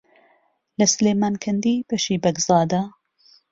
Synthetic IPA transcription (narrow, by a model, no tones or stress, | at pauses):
lɐsleːmaːnkʰɐnd̪iːbɐʃiːbɐɡzɑːd̪a